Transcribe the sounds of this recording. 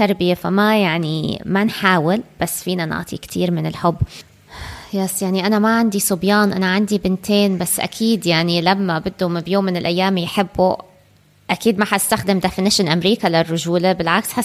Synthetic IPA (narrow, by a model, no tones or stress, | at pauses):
t̪aɾˤbɪjefa̰majaʕnḭmanħaːwɪlb̥asːfiːnanɪ̰ʕt̪ˤḭkt̪ʰiːɾmɪnɪlħʊbː | jaːsjaʕniʔanamaʕand̪isʊbjɑːnʔa̰naʕand̪ibɪnt̪ʰeːnbasːʔa̰kʰiːd̪jaʕnilamːabɪd̪ːumbjoːmːɪnɪlʔajːaːmjħɪbːu | ʔakiːd̪maħast̪axd̪ɪmd̪afɪnɪʃɪlʔamɾiːkalarːʊʒuːlabɪlʕaksħa